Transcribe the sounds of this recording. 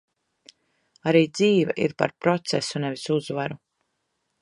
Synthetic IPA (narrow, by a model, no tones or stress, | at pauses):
aɾiːd̪ziːvɛʔiɾpa̰ɾpɾɔt̪sɛsunɛvisuzvaɾu